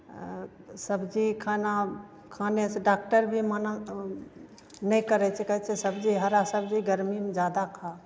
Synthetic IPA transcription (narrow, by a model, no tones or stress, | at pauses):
səbd͡ʒikʰana | kʰaːnet͡ʃʰɛɖak̚ʈəɾbʱimana | nəjkəɾɛt͡ʃʰɛkəɦɛt͡ʃʰɛsəbd͡ʒiɦəɾasəbd͡ʒiɡəɾmimd͡ʒad̪akʰa